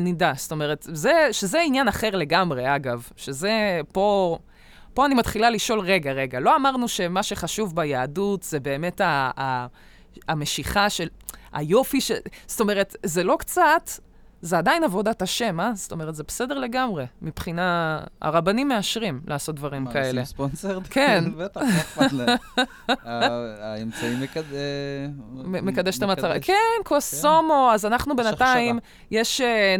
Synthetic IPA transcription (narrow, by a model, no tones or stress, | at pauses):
nidasto̞me̞ʁe̞tzeʃezeinjanaχe̞ʁle̞ɡamʁe̞aɡavʃe̞ze̞po̞ | po̞animat̪χilaliʃo̞lʁe̞ɡaʁe̞ɡalo̞amaʁnuʃe̞maʃe̞χaʃuvbajaːdutzebe̞ːme̞taː | ame̞ʃiχaʃea̰jo̞fiʃest̪o̞me̞ʁetze̞lo̞kt͡sat | zeadainavo̞dataʃemazt̪o̞meʁet̪zebesedeʁle̞ɡamʁe̞mipχinaa̰ʁabanimːe̞aʃʁimlʔaːso̞t̚d̪vaʁimkaele̞sponseʁkent̪ | emt͡saimk | mekad̪eʃt̪emat̪aʁakʰenkʰosomoazanaχnubenataim | jeʃ